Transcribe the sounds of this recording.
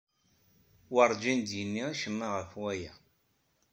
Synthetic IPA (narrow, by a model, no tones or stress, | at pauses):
wɑɾˤd͡ʒind̪jənːiæʃəmːaʁəfwæjæ